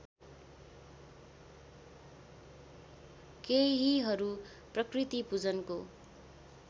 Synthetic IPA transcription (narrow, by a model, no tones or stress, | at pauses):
keɦiɦʌɾu | prʌkrit̪ipud͡zʌnko